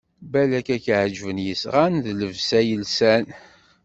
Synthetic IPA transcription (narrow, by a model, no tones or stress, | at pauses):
bælækækʕd͡ʒvənjəsʁanðləvsæjəlsæn